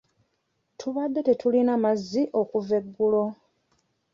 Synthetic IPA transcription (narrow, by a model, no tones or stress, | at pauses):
tʰuβad̪ːe̞te̞tʰulinamazːiʔo̞kuve̞ɡːulo̞